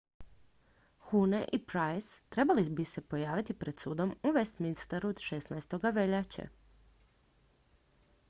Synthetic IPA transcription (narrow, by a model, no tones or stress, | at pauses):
xuneʔipɾajst̪ɾe̞balibise̞po̞jaːʋit̪ipɾe̞d̪suːd̪o̞muʋest̪minst̪aɾud̪ʃesnajst̪o̞ɡaʋeʎat͡ɕa̰